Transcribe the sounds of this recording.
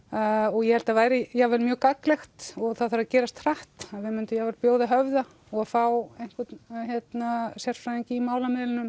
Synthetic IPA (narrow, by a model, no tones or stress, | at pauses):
ɔɣjɛhɛlt̪avaːjɾɪjavɛɾmjœːkaklɛxt̪ɔɣθaðθaɾaðcɛːɾast̪ʰɾaht̪aðvɪmʏnt̪ʏɪjavɛɾpjoːwðɪɦœvða | ɔɣaðfawejŋ̥kvɛt̪çjɛt̪nasjɛr̥fɾaiɲcɪimaːwlamɪðlɪnʏm